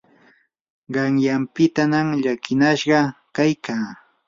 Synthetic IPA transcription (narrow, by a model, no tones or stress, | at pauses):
ɢɑŋjampɪt̪anamʎakɪnaʃɢɑkajkaː